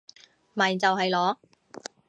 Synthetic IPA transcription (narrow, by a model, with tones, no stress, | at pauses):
maː˨˩˨t͡sɐ˨wɦɐ˨jlɔː˨˥